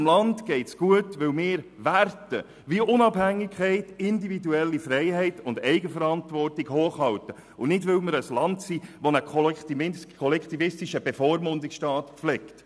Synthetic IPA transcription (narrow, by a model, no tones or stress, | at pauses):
mlɑntɡ̥ɛɪtsɡ̥uətʋɪwmɪːɾʋærtə | ʋiʔʊnɑb̥hæŋːɪkχɛɪtɪndividuɛlːifrɛɪɦɛɪtʊndɛɪɡəfəɾɑntvɔrtɪɡhoːχhɑwtə | ʊnɪdvʋɪwməɾəslɑntsiːʋɔnəkʰ | kʰɔlɛkt̪ivɪstɪʃəb̥efoːɾmʊndɪksʃtɑːtflɛkt